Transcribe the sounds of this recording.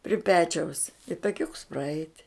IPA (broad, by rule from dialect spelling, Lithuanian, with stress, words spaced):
pʲrʲɪ ˈpʲæːt͡ʃʲɛʊs ɪ tɐˈkʲʊks prɐˈɛɪtʲ